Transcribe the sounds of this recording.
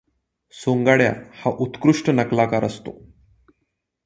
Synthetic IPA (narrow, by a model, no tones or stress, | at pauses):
soŋɡaɽja̰haʔut̪kɾuʂʈənəklakaɾə̰st̪o̰